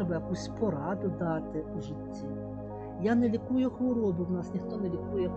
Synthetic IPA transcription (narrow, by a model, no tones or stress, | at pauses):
bɐjakusʲpɔɾad̪ʊd̪at̪ɪuʐɨtʲːi | janɛlʲikujʊxɔɾɔbɨwnasnʲixt̪ɔnɛlʲikujɛ